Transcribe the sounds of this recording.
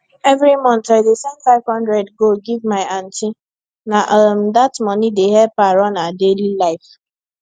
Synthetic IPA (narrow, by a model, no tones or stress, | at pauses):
ɛvɾimɔ̃ntaɪdesɛ̃nfaɪvhɔ̃ndɾɛdɡoɡivmaɪãnti | naʔɔm̩datmɔnideɦɛpaɾɔnadelilaɪf